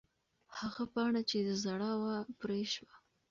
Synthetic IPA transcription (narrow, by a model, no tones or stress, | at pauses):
haɣapɑɽat͡ʃed̪əzaɽɑwapɾeʃwa